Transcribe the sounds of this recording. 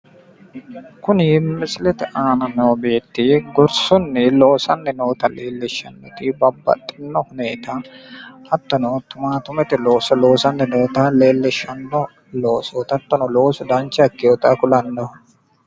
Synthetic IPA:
kʊnɪmɪsɪlɛt̪ɪʔaːnɐnobeːt̪ːɪɡɔɾsɔnːɛloːsɐnːɛnoːt̪ɐleːlːɪʃːɐnːɔt̪ɪbɐbːɐ̰t̪ʼːɪnːɔhʊneːt̪ɐ | ɐt̪ːɔnɔt̪ʊmaːt̪ʊmɛt̪ɪloːsɔlo̞ːsɐnːɛnoːt̪ɐle̞ːlːɪʃɐnːɔ | loːsoːt̪ɐt̪ːɔnɔloːsɔd̪ɐnt͡ʃːɐɐkːɪjɔt̪akʊlɐnːɔ

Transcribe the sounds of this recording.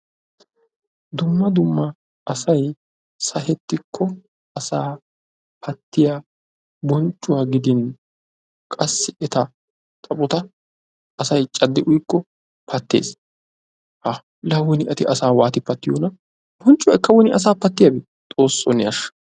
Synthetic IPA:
d̪ʊmːɐd̪ʊmːɐ | ʔːsɐj | sɐɦɛt̪ːɪkʰːɔ | ɐsaː | pʰɐt̪ːɪja | bɔnt͡ʃʼːʊwaːɡɪd̪ɪn | kʼɐsːɪɛt̪ɐ | t̪ʼɐpʼʊt̪ɐ | ɐsɐjt͡ʃʼɐd̪ːɪʔʊjkːɔ | pʰɐt̪ːḛːs | ʔɐ | lɐwʊnɪʔɐt̪ɪʔɐsaːwaːt̪ɪpːɐt̪ːɪjoːnɐ | b̥ɔnt͡ʃʼːʊwaɪkːɐwɔnɪʔɐs̬aːpːɐt̪ːɪjɐbɪ | t̪ʼo̞ːsːɔnːɪɐʃːɐ̥

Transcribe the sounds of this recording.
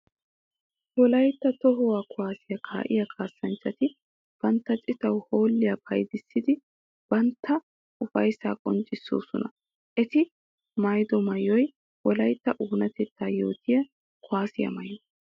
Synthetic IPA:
wɔlɐjt̪ːɐt̪ɔɦɔwaːkʊwaːsɪjɐkʰa̰ːʔɪ̰jɐkʰaːsːɐnt͡ʃːɐt̪ɪ | b̥ɐnt̪ːɐt͡ʃʼɪt̪ɐwhoːlːɪjɐpʰɐjd̪ɪsːɪd̪ɪ | b̥ɐnt̪ʰːɐ | ʔʊfɐjsaːkʼɔnt͡ʃʼːɪsːo̰ːsɔ̰nɐ | ʔɛt̪ɪ | mɐjd̪ɔmɐjːɔj | wɔlɐjt̪ːɐʔuːnɐt̪ɛt̪ːaːjo̞̰ːt̪ɪjɐ | kʰʊaːsɪjɐ̰mɐj

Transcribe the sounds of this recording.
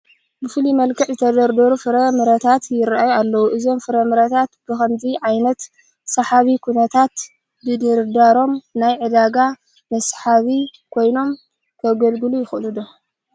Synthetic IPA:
bɨfɨlimɐlkʰɐħzɨt̪ʰɐd̪ɐɾd̪ɐɾufɨɾɐmɨɾɐt̪ʰat̪jɪɾaʔajualːɐwuʔɨzo̞mfɨɾɐmɨɾɐt̪ʰat̪b̥ɨxɐmziʕajnɐt̪ | sɐħaβikʰunɐt̪ʰat̪ | bɨd̪ɨɾd̪aɾo̞mnajʕɨd̪aɡa | mɐsħaβikʰo̞jno̞m | kʰɐɡɐlɡɨlujɪxʔlud̪o

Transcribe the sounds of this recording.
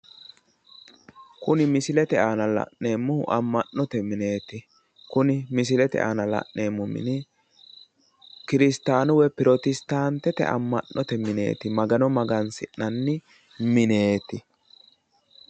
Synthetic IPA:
kʊnɪmɪsɪlɛt̪ɛaːnɐlɐ̰ʔne̞ːmːʊʔɐmːɐnːɔt̪ɛmɪne̞ːt̪ɪ | kʊnɪmɪs̬ɪlɛt̪ɛ̰ʔa̰ːnɐlɐ̰ʔne̞ːmːʊmɪ̰nɪ | kɪɾɪst̪aːnʊwɛpɪɾot̪ɪst̪aːnt̪ːɛt̪ɛ̰ʔɐ̰mːɐʔːɔt̪ɛmɪne̞̰ːt̪ɪmɐɡɐnɔmɐɡɐnsɪʔːɐnːɪ | mɪne̞ːt̪ɪ

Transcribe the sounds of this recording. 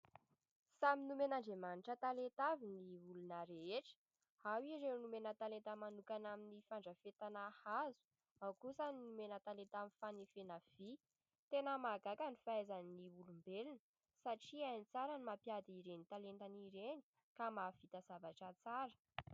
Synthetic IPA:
saminumenaɳɖ͡ʐemaniʈ͡ʂət̪alet̪aviniulunəɾeeʈ͡ʂə̥ | hawiɾewnumenət̪alent̪əmanukanaminifaɳɖ͡ʐəfet̪anahazu̥ | awkusaninumenət̪alent̪amifanifenav̥i | t̪enəmaɡakanifaajzanniulumbelinə̥ | saʈ͡ʂiajnit͡saɾənimapjad̪iɾenit̪alent̪aniɾeni̥ | kamav̥it̪azavaʈ͡ʂət͡saɾə̥

